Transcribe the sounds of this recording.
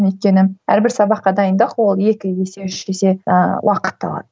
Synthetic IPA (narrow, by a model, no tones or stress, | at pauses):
ʏjt̪̚kʲe̞nɪæ̰ɾbɪɾsɑbɑqːɑd̪ɑjənd̪ɑqwo̞lˠje̞kʲɪje̞se̞ʏʃke̞se̞wʔɑqə̥t̪ːɑ̰bɑ̰ɾ